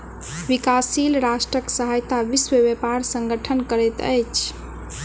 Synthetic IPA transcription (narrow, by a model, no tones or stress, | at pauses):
ʋikasilɾasʈɾəksəɦajt̪aʋiswəbepaɾsə̃ŋɡəʈʰənkəɾɛt̪ə̰jt͡ʃʰ